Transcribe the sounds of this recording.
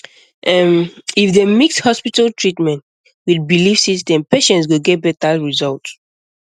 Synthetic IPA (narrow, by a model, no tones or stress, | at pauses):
ʔɛmifdemikshɔspitaltʰɹitmɛ̃nt | widbilifsistɛ̃mpeʃɛ̃nts̬ɡoɡɛt̚bɛt̚aɹizɔlt